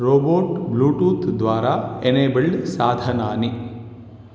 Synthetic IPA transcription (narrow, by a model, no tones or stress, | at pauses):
ɾoːboːʈbluːʈuːt̪d̪ʋaːɾaeneːbəɭɖsaːd̪ʱənaːni